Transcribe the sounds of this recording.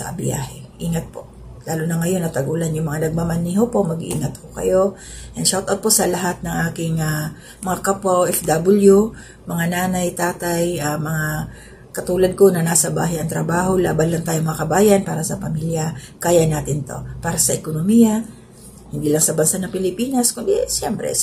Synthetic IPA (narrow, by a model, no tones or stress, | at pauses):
sɐ̰ʔɐ̰bɪ̰ja̰ːhɛʔiːŋɐt̪̚po̞ʔlaːlʊnɐŋɐjo̞nɐt̪ɐɡuːlɐnjʊŋmɐŋanɐɡ̚mamɐniɦopo̞mɐɡʔḭːŋɐt̪̚kokɐ̰jo̞ | jɐŋʃawt̪ʔawt̪̚posɐlɐɦat̪̚nɐŋʔaːkɪŋa | mɐŋakapoʔɛfd̪abʊlju | mɐŋanaːnɐjt̪aːt̪ajamɐŋa | kɐt̪uːlɐd̪̚ko̞nɐnaːsɐbaːɦɪʔɐŋt̪ɾɐbaːɦo̞la̰ːbanlɐŋt̪aːjomɐŋakɐbaːjɐnpaːɾɐsɐpɐmiːljɐkaːjɐnaːt̪ɪnt̪o̞̰paːɾɐsɐʔɛkonomijɐ | hɪnd̪iːlɐŋsɐbɐnsanɐŋpɪlɪpiːnɐskʊnd̪isjɛmpɾɛ̰